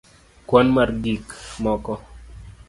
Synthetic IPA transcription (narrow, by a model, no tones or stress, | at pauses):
kwɔnmarɡikmɔkɔ